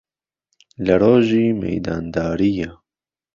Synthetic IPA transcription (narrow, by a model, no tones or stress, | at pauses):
lɐɾoːʒimḛjd̪aːnd̪ɑːɾija